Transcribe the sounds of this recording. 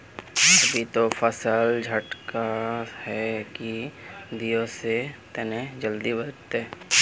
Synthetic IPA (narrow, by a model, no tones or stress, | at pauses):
əbʱit̪opʰəsəld͡ʒʱəʈkahɛkid̪ijõset̪ɛned͡ʒəld̪ibəlt̪e